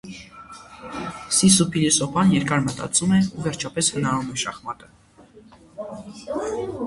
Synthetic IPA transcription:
sisupʰilisɔpʰɑnjɛɾkɑɾmət̪ɑ̰t͡sʰumɛuvɛɾt͡ʃʰɑpɛshənɑɾumɛʃɑχmɑt̪ə̥

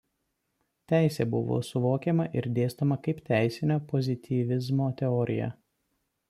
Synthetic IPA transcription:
t̪ʲæˑɪsʲeːbʊʋo̰ːsʊʋoːkʲɛmɐʔɪɾd̪ʲeːst̪omɐkɐɪpt̪ʲæˑɪsʲɪnʲoːpɔzʲɪt̪ʲʰiːʋʲɪzmoːt̪ʲɛɔɾʲɪ̰jɛ̰

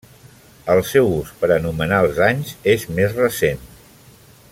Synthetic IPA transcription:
əlˠsɛwuspəɾənumənaəlˠzaɲzezmezrəsen

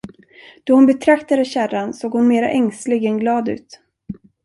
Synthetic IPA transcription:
d̪̥ɔhʊnbɛt̪ʰɾakt̪ad̪əɕæɾansoːɡhʊnmeːɾa̰ʔɛŋslɪɡɛnɡlɑːd̪ʉ̟̰ːt̪

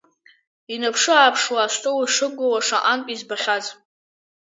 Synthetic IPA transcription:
inapʰʂɨaːpʰʂwaːʃʷtʼowaʂɨɡʷowaʂaʔankʼizbaħʲʷaz

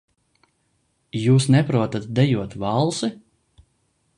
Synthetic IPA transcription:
juːsnɛpɾuɔt̪at̪̚d̪ɛjuɔt̪vɑlˠsɨ

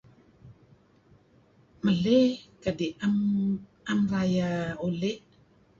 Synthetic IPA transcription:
məlekədiʔam | amrajaoleʔ

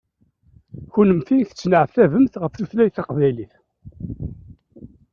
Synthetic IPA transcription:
çunəmθiθə̥t͡sːnəʕəfθævəmθʁəfθuθlæjθɑqvæjliθ

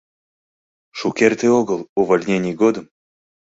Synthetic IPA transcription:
ʃukʲert̪ɨoɡəlˠuvolʲnʲenʲijɡod̪əm

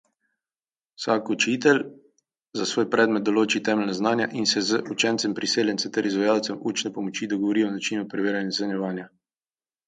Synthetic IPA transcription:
saːkut͡ʃit̪ɛl | zasʋoːjpɾɛːd̪mɛt̪̚d̪ɔloːt͡ʃit̪ɛːmɛlnaznaːnjaʔinsɛzəʔut͡ʃɛnt̪sɛmpɾiseːljɛnt̪sɛt̪ɛɾizʋajaːwt̪sɛmuːt͡ʃnɛpɔmɔt͡ʃid̪ɔɡɔʋɔɾiːɔnat͡ʃiːnupɾɛʋeːɾjanjɛɛnjɛʋaːnja

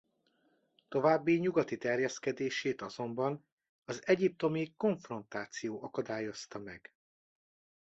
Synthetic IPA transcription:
t̪o̞vaːbːiɲuɡɒt̪it̪ɛrjɛskɛd̪eːʃeːt̪ɒzo̞mbɒn | ɒzɛɟip̚t̪o̞miko̞ɱfro̞nt̪aːt̪sijoːʔɒkɒd̪aːjo̞st̪ɒmɛɡ̥

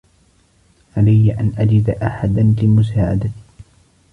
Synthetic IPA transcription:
ʕalajːʔanʔad͡ʒɪd̪aʔaħad̪anlɪmʊs̬aːʕa̰d̪at̪

